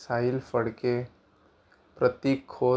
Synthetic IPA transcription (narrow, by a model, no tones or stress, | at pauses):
saːilfəɽke | pɾət̪ikʰːoː